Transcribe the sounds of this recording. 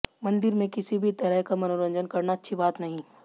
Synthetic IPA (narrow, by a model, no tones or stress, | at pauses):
mɐ̃nd̪ɪɾmẽkɪsibʱit̪ɐɾəɦkamɐnoːɾə̃ɲd͡ʒənkɐɾnaɐtːʃʰibaːt̪nɐɦĩ